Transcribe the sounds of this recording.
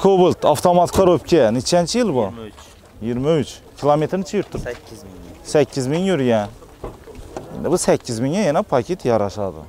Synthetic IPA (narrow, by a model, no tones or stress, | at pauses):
kʰobult̪ʰɑft̪ʰomɑt̪kʰɑɾop̚kʲʰɛnit͡ʃʰænt͡ʃʰijilbu | jiɾmæyt͡ʃkʲʰilˠomet̪ɾnɪt͡ʃʰɛjuɾt̪ʰːɪ | sækʲːizmiŋjyɾjɛ | ḭnd̪ɪbusækʲʰːizmiŋɛjɛnɛpʰɑkʲʰet̪ʰjɑɾɑʃɑd̪ɨ̰